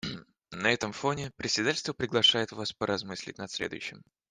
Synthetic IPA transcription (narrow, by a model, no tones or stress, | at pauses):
nɐɛt̪əmfo̞nʲɪpɾʲɪtʲsʲɪd̪atʲɪlʲst̪vəpɾʲɪɡlˠɐʂajɪt̪vaspəɾʔɐzmɨsʲlʲɪ̰tʲnɐt̪sʲlʲed̪ʊjʏɕːɪm